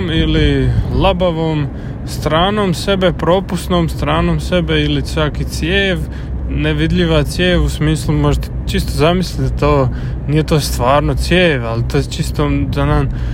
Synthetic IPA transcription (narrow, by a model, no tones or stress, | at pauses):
mililˠabaʋoːm | st̪ɾaːnoːmse̞be̞pɾo̞ːpust̪noːmst̪ɾaːnoːmse̞beilisʋakit̪sjeːʋ | neʋid̪ʎiʋat̪sjeːʋusmiːslumoʒet̪e̥t͡ʃist̪ozamislit̪d̪at̪oː | nije̞t̪o̞ːst̪ʋaːɾnot̪sjeːʋalit̪oːjet͡ʃist̪ozanan